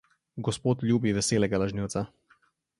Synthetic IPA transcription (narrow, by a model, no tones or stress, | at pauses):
ɡɔspoːt̪lʲjuːbiʋɛseːlɛɡalaʒniwtsa